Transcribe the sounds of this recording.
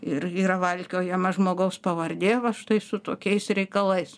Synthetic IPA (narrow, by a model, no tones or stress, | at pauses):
ɪriːɾɐʋɐlʲkʲoːjɛmɐʒmoːɡɐʊspɐʋɐrʲd̪ʲeːʋɐʃt̪ɐɪsʊt̪oːkʲɛɪsɾʲɛɪkɐlˠɐɪs